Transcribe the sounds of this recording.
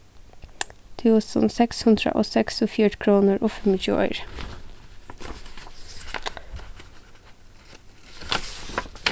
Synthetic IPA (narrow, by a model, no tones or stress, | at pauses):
t̪ʰʉːsə̰nsɛkshʉnd̪ɾə̰ʔoːsɛksʊfiːɾkʰɾuːnəɹoːfʉməçʉ̰ːʔœ̰ʏɹ